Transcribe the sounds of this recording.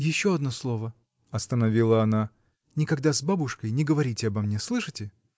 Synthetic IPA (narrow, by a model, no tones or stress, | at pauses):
jɪɕːoɐd̪noslˠovə | ɐst̪ənɐvʲilˠəɐna | nʲɪkɐɡd̪azbabʊʂkəjnʲɪɡəvɐɾʲitʲɪɐbɐmnʲeslˠɨʂɨtʲɪ